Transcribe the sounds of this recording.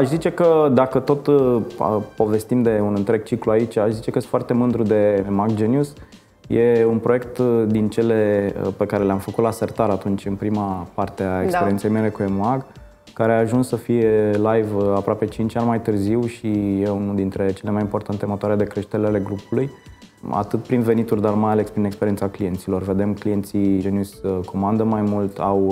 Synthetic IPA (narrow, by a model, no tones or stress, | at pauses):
aʃzit͡ʃe̞kəd̪akət̪o̞t̪əpo̞ve̞st̪imd̪e̞unɨnt̪ɾe̞ɡ̚t͡ʃikluait͡ʃʲaʃzit͡ʃe̞kəst̪foart̪e̞mɨnd̪ɾud̪e̞makd͡ʒenjus | je̞unpɾoekt̪d̪int͡ʃe̞le̞pe̞kaɾe̞leamfəkut̪lasert̪aɾat̪unt͡ʃʲɨnpɾimapart̪eaenkspeɾiensejmele̞kuemoaɡ | kːaɾeaːʒunsːəfije̞lajvapɾoape̞t͡ʃint͡ʃanʲmajt̪ɨrziwʃijeunud̪int̪ɾe̞t͡ʃe̞le̞majimpo̞rt̪ant̪emot̪oaɾed̪e̞kɾe̞ʃt̪eɾʲeale̞ɡɾupuluj | a̰t̪ɨt̪pɾinve̞nit̪urʲd̪armaalespɾinekspe̞ɾient̪saklije̞nt̪silo̞rve̞d̪e̞mklije̞nt̪sienusko̞mand̪əmajmult̪aw